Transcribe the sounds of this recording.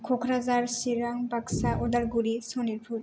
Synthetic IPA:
kʰokʰɾazaɾsiɾaŋbaksaʔod̪aɾɡuɾisoniɾpʰuɾ

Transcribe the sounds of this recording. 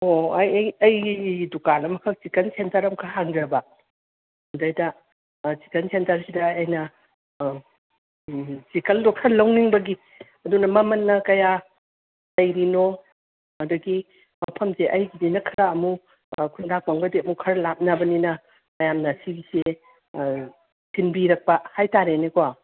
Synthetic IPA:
ojɐjdukalɐmɐkʰɐk̚t͡ʃikɐnsentɐɾɐmkʰaɦaŋdɾɐbɐ | hundɐjdɐ | si̥kɐnsentɐɾsidɐːjnɐ | t͡ʃikɐldokʰɐlːɐwniŋbɐɡi | ɐdunɐmɐmɐnːɐkɐja | lɐjɾino | ɐduɡi | mɐpʰɐmseʔɐjɡidinɐkʰɐɾɐɐmu | kʰundak̚maŋbɐdeɐmukʰɐɾlap̚nɐbɐninɐ | ɐjamnɐsibise | tʰinbiɾɐk̚pɐhajtaɾenekowa

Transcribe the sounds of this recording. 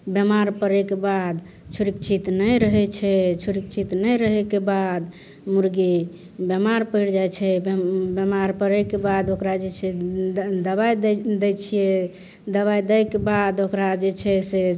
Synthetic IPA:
bjemaɾpəɾekebad̪ | t͡ʃʰuɾik̚t͡ʃʰit̪nəjɾəɦɛt͡ʃʰɛt͡ʃʰuɾik̚t͡ʃʰit̪nəjɾəɦɛkebad̪ | muɾɡi | bjemaɾpəjɽd͡ʒajt͡ʃʰɛbbjemaɾpəɾekebad̪okɾad͡ʒet͡ʃʰed̪əbajd̪d̪ɛjt͡ʃʰijɛ | d̪əβajd̪əjkebad̪okɾad͡ʒet͡ʃʰɛse

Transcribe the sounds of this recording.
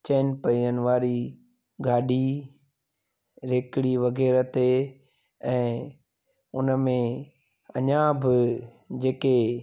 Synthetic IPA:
t͡ɕɛːnpɐiənɪ̆ʋaːɾi | ɡaːɖi | ɾeːkɪɽiʋɐɣɛːɾət̪e | ɛ̃ː | ʊnəmẽ | ɐɲãbɪ | d͡ʑeːke

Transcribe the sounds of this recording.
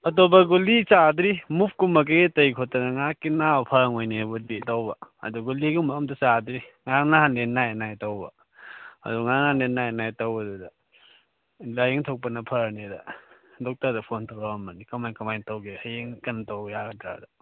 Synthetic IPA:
ɐtobɐɡulit͡ʃadɾimup̚ʰkumɐk̬eɡetɐjkʰotːɐnɐŋakinawpʰɐɾŋojnebuditɐwbɐɐ̰duɡuliɡumɐmdɐsadɾiŋanaanlenːajenajtɐwbɐ̰ | ɐ̰duŋananlenːajnajtɐwɐdudɐ | lajeŋtʰok̚pɐnɐpʰɐɾnedɐ̰ | dɔk̚tɐɾdɐpʰontʰawɾaɐmɐnikɐmajkɐmajntɐwɡehajeŋkɐntowjaɡɐdɾa̰dɐ

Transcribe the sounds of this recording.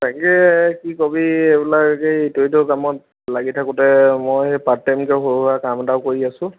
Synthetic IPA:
taŋkɛkikobiebilakkejtoitokamɔt̚ | laɡitʰakʊtɛmojepatːajmkɛɦoɹuakamdaʊkoɹiasʊ̃

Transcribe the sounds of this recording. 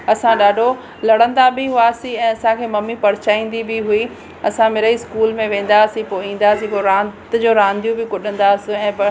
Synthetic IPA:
ɐsãɗaːɖʱo | lɐɽə̃nd̪abɪɦʊaːsĩɛ̃ːɐsãkʰeːmɐmːipɐɾɪt͡ɕaːĩːn̆d̪ibɪɦui | ɐsãmɪɾəiskuːlmẽʋẽːn̆d̪aɐsĩpoːĩːn̆d̪aːsĩpoːɾãːt̪d͡ʑoːɾãːnd̪ijũbɪkʊɗə̃nd̪aɐsĩɛ̃ːbɐ

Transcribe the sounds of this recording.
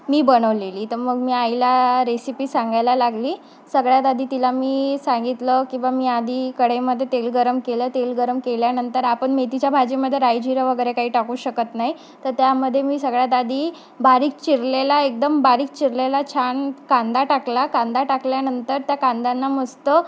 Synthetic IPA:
miːbənəʋleliːt̪əɾməɡmiːajlaɾesipiːsãŋɡajlalaɡliː | səɡɭjat̪ad̪ʱiːt̪ilamiːsãŋɡit̪ləkĩw̃ʋamiːad̪ʱiːkəɽeməd̪ʱːjet̪elɡəɾəmkelət̪elɡəɾəmkeljanənt̪əɾapəɳmet̪it͡ɕjabʱad͡ʑeməd̪ʱːjeɾajd͡ʑiɾəʋəɡəjɾekaɦiːʈakuːɕəkət̪naɦj | t̪əɾt̪jaməd̪ʱːjemiːsəɡɭjat̪̬ad̪ʱiː | baɾiːk̚t͡ɕiɾlelaek̚d̪əmbaɾiːk̚t͡ɕiɾlelat͡ɕʰaɳkand̪aʈaklakand̪aʈakljanənt̪əɾt̪jakãnd̪anːaməst̪ə

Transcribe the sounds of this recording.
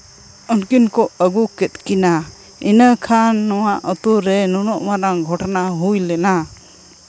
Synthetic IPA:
ɔnkinkɔəɡukɛt̪̚ˀkina | inəkʰanːɔwaʔɔt̪uɾɛnɔnɔʔmaɾaŋɡʱɔʈnaɦujlɛna

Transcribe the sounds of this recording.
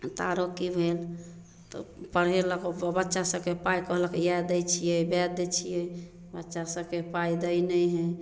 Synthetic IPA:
t̪aɾokibʱel | t̪ɔ̰pəɽɦeləkbətːʃasə̃bkepaikəɦləkjad̪ət͡ʃʰijəjbɛd̪et͡ʃʰijəj | bətːʃasəbkepaid̪ənəjɦɛ̃

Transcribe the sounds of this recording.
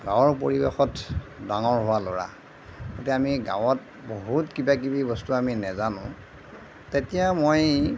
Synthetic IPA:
ɡãwɔɹpo̰ɹibḛxɔtdaŋɔɹɦʊwaloɹa̰ | ɡotɛamiɡã̰wɔt | boɦutkibak̬ibibɔstuaminɛzanʊ̃ | tetijamoj

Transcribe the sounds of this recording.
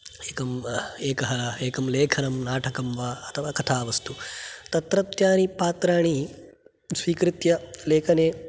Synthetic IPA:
eːkɐmeːkɐɦɐlɐeːkɐmleːkʰɐnɐmnaːʈʰɐkɐmʋaːɐt̪ʰɐʋaːkɐt̪ʰaːʋɐst̪ʰut̪ɐt̪ɾɐt̪jaːnipaːt̪ɾaːɳ̃i | sʋiːkɾɪt̪jɐleːkʰɐneː

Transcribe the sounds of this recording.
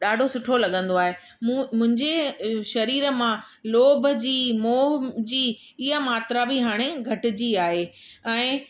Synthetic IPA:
ɗaːɖʱosʊʈʰolɐɠə̃nd̪oaːɦe | mũːmʊ̃ɦɪ̃ɲd͡ʑeʃɐɾiːɾə̆mã | loːbʱəd͡ʑiːmoːd͡ʑiː | ɪɦamaːt̪ɾabɪɦaːɽ̃eɡʱɐʈɪ̆d͡ʑiːaːɦe | ɛ̃ː

